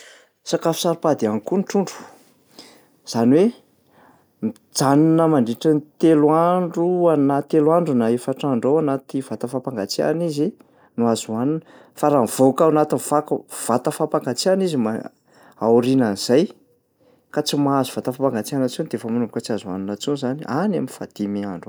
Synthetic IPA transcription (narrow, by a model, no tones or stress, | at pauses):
sakafu̥saɾupad̪ianikuniʈ͡ʂuɳɖ͡ʐu̥ | z̥anwe | mi | d͡zaninəmaɳɖ͡ʐiʈ͡ʂənit̪elwaɳɖ͡ʐuanat̪elwaɳɖ͡ʐunaefaʈ͡ʂaɳɖ͡ʐowanat̪ivat̪əfapaŋɡat͡sia̰nizi | nuazuanunə | faɾav̥okawanat̪inifakəv̥at̪əfapaŋɡat͡sianizima | auɾinaniz̥aj | kat͡simaazuv̥at̪afapaŋɡat͡sianət͡sunid̪eefamunumbukət͡siazua̰nunat͡suzanianaminfa̰d̪̥imeaɳɖ͡ʐu